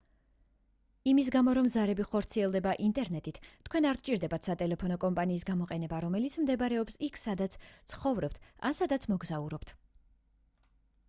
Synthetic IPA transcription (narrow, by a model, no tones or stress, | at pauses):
imis̬ɡamɔɾɔmzaɾɛbiχɔɾt̪sʰiɛlˠd̪ɛbaʔint̪ʼɛɾnɛt̪ʼit̪ʰːkʰwɛnaɾkt͡ʃʼiɾd̪ɛbat̪ʰsat̪ʼɛlɛpʰɔnɔkʼɔmpʼaniːsɡamɔqʼɛnɛbaɾɔmɛlit̪sʰmd̪ɛbaɾɛɔpsikʰsad̪at̪sʰt̪sʰχɔvɾɔp̚t̪ʰa̰nsad̪at̪sʰmɔɡzauɾɔpt̪ʰ